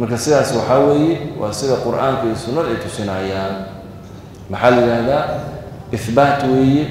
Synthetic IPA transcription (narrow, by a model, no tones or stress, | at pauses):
mɐrkʰɐsɪðaːswɑħɑːwɛːjɛwʔɑ̰ːsɪðɐqʊrʔaːŋkʰɐiːsʊnːɐðɛjt̪ʰʊsɪnɐjaːn | mɑħɑːlɐjɪɾaːhðaː | ʔɪθbaːt̪ʰwɛːjɛ